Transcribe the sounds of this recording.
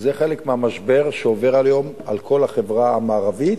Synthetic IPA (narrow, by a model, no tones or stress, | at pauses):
zeχelekmeamaʃbeʁʃeove̞ʁaljo̞m | alkʰo̞laχevʁaamaːʁavit̪